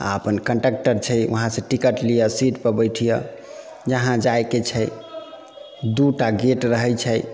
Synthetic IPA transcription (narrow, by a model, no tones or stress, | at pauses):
a̰əpənkəɳʈək̚ʈəɾt͡ʃʰɛjṵɦãsẽʈikəʈlijəsiʈpəɾbəjʈʰijə | d͡ʒəɦãd͡ʒajket͡ʃʰə | d̪uʈaɡeʈɾəɦɛjt͡ʃʰəj